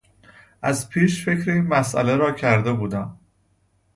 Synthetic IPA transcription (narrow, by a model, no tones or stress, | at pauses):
ʔæzpʰiːʃfe̞cʰɾeiːnmæsʔæ̰leɾɒːcʰæɾd̪e̞buːd̪æm